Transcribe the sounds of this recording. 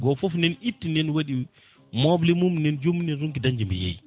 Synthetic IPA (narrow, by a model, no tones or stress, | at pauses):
ɡɔfɔfnɛnitːinɛnwaɗi | mɔblimumnɛnd͡ʒomnɛnɾuŋkidaɲd͡ʒimbḭjḛj